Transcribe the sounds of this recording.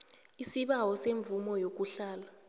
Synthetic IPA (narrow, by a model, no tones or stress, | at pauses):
isiɓawɔseɱbvumɔjok̬uɬaːla